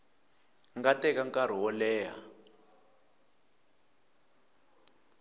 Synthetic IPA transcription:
ŋɡatɛkaŋkʼaɾ̤iɦɔlɛːɦa

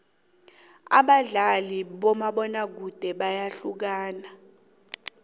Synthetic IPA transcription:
a̰ɓaɮaliɓɔmaɓɔnak̬ud̥ʱɛɓajaɬuk̬aːna

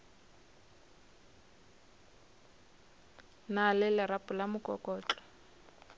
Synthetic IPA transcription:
nalɪlɪɾapʼʊlamʊkʼɔkʼɔːt͡ɬʼɔ̥

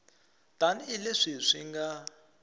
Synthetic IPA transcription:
d̪̥anileʂiʂʷiŋɡa

